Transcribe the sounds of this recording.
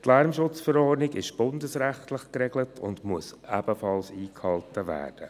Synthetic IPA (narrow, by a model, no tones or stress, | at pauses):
tlæɾmʃʊt͡sfəɾɔːɾniɡɪʃb̥ʊndəsɾæχtləχkɾɛɡlətʰʊndmuəsæb̥əfɑlsiːkhɑltəvæ̰ːɾd̥ə